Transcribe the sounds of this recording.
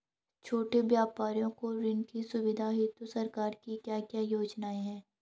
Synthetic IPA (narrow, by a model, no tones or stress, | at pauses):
t͡ʃʰoːʈebjaːpaːɾijõkoɾɪnkisʊʋɪd̪ʱaɦɪt̪osɐɾkaːɾkikjaːkjaːjoːd͡ʒnaːeɦɛ̃ː